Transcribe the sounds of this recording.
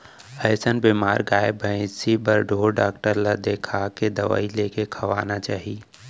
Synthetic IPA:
ɛːsənbimaːɾɡaːebʱə̃ɪ̃sibəɾɖʱoːɾɖaːkʈəɾlad̪eːkʰaked̪ɐʋa̰ːileːkekʰɐʋaːnat͡ʃaːɦi

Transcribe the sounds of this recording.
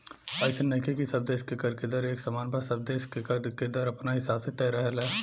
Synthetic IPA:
ɐɪsənɐkʰekisɐb̚d̪eːʃkekɐɾked̪əɾeːksɐmaːnpasɐb̚d̪eːʃkekɐɾked̪əɾɐpnaɦɪsaːbset̪ɛːɾɐɦlɛː

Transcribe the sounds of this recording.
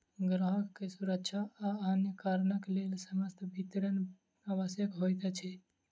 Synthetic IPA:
ɡɾəɦəkːesuɾəkt͡ʃʰaanjəkaɾnəklelsəməst̪ʰbʱit̪ɾən | abəsjəkɦojt̪ət͡ʃʰɛ

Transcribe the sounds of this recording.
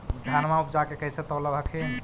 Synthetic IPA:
d̪ʱanmaup̚d͡ʒakekəɦiset̪ɔləbʱəkʰi

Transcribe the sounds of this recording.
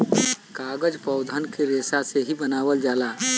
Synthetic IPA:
kaːɡəd͡ʒpɔʊd̪ʱənkeɾeːsaseɦibənaːʋəld͡ʒaːlaː

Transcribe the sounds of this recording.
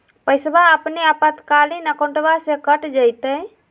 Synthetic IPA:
pəjsbaəpneəpət̪kalinəkõɳʈbasekəʈd͡ʒəjt̪əj

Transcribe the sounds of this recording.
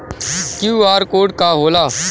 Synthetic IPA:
kjuːaːɾkoːɖkaːɦoːlaː

